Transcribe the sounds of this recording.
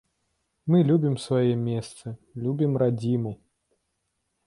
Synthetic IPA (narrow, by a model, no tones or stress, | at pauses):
mɨlʲubʲimsvajɛmʲɛst̪sɨlʲubʲimɾad͡zʲimu